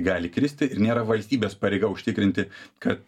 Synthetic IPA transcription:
ɡɑːlʲɪkɾʲɪsʲt̪ʲɪɪɾnʲeːɾɐʋɐlʲsʲt̪ʲiːbʲeːspɐɾʲeɪɡɐʊʃʲt̪ʲɪkɾʲɪnʲt̪ʲɪkɐt̪

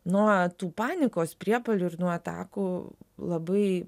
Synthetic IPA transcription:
nuɔt̪uːpɑːnʲɪkoːspʲɾʲiɛpɐlʲʊːɪɾnuɔɐt̪ɑ̰ːkuːlˠɐbɐɪ

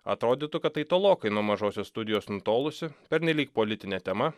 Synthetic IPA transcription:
ɐ̰t̪ɾoːd̪ʲiːt̪ʊkɐt̪t̪ːɐɪt̪oːlˠoːkɐɪnuɔmɐʒoːsʲoːsst̪ʊd̪ʲɪjoːsnʊt̪oːlˠʊsʲɪpʲɛɾʲnʲɛlʲiːk̚polʲɪt̪ʲɪnʲɛt̪ʲɛmɐ

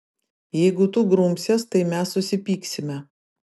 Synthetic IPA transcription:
jɛɪɡʊt̪uɡɾʊmʲsʲest̪ɐɪmʲɛsːʊsʲɪpʲiːksʲɪmʲɛ

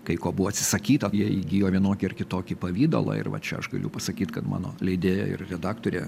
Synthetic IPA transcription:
kɐɪkoːbʊʋɔːɐt̪ʲsʲɪ̥sɐkʲiːt̪ɐjiɛiɡʲiːjoːʋʲiɛnoːkʲɪɪrkʲɪt̪oːkʲɪpɐʋʲiːd̪o̰lˠɐ̰ɪ̰ɾʋɐ̰t͡ʃʲɛɐ̰ʃɡɐ̰lʲʊpɐsɐkʲiːt̪kɐt̪mɑ̰ːno̰ːlʲɛɪd̪ʲeːjɛ̰ɪ̰rrʲɛd̪ɑːkt̪oːɾʲḛː

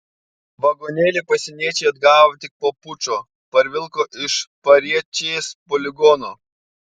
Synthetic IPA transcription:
ʋɐɡoːnʲeːlʲeːpɐsʲɛnʲiɛt͡ʃʲɛɪɐd̪ɡɑːʋot̪ʲɪk̚poːpʊt͡ʃoː | pɐɾʲʋʲɪlˠkoːʔɪʃpɐɾʲiɛt͡ʃʲeːspɔːlʲɪɡɔnoː

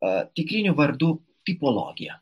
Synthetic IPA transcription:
t̪ʲɪkɾʲɪnʲuʋɐɾd̪uː | t̪ʲipɔlˠɔ̰ɡʲɪjɛ

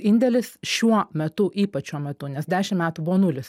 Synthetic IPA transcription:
ɪnʲd̪ʲɛlʲɪsʃʲuɔmʲɛt̪ʊʔiːpɐt͡ʃʲːuɔmʲɛt̪ʊnʲɛsd̪ʲæːʃʲɪmmʲæːt̪ubʊʋoːnʊlʲɪs

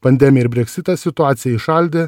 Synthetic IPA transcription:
pɐnʲd̪ʲɛmʲɪjɛɪɾbʲɾʲɛksʲɪt̪ɐsʲɪt̪ʊɑːt̪sʲɪjɛɪʃɑlʲd̪ʲe

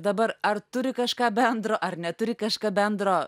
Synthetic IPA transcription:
d̪ɐbɐɾɐrt̪ʊɾʲɪkɐʃkɑːbʲɛnd̪ɾoːʔɐrnʲɛt̪ʊɾʲɪkɐʃkɑːbʲɛnd̪ɾoː

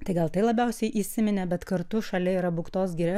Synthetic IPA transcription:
t̪ɐɪɡɐlˠt̪ɐɪlˠɐbʲɛʊsʲɛɪʔiːsʲɪmʲɪnʲɛbʲɛt̪kɐɾt̪uːʃɐlʲɛiɾɐbʊkt̪oːs̬ɡʲiɾʲɛ

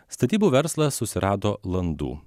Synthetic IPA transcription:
st̪ɐt̪ʲiːbuːʋʲɛɾslˠɐsʊsʲɪɾɑːd̪oːlˠɐnd̪ṵː

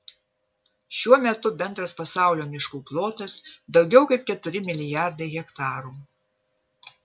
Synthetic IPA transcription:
ʃʲuɔmʲɛt̪ʊbʲɛnd̪ɾɐspɐsɑˑʊlʲoːmʲɪʃkuːplˠoːt̪ɐsd̪ɒʊɡʲɛʊkɐɪp̚kʲɛt̪ʊɾʲɪmʲɪlʲɪjæˑɾd̪ɐɪɣʲɛkt̪ɑːɾuː

